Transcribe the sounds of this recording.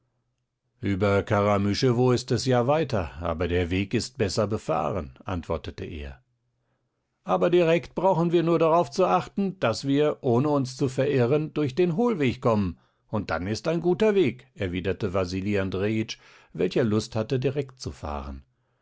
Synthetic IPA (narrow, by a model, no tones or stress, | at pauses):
ʔyːbɐkʰaʁamyʃəvoːɪstɛsjaːvaɪtɐa̰ːbɐdeːɐveːkɪst̚b̥ɛsɐbəfa̰ːʁənʔa̰ntv̥ɔɐtətəʔḛːɐ | ʔaːbɐdiʁɛkt̚b̥ʁaʊxn̩viːɐnuːɐdaʁaʊft͡suʔaχtn̩d̥asv̥iːɐʔoːnəʊnst͡sufɛɐʔɪʁəndʊɐçd̥eːnɦoːlveːçkɔmən | ʊnt̚d̥anɪstaɪnɡuːtɐveːkʔɛɐviːdɐtəvaziːliandʁeːɪt͡ʃ | vɛ̰lçɐlʊsthatədiʁɛk̚tt͡sufa̰ːʁə̰n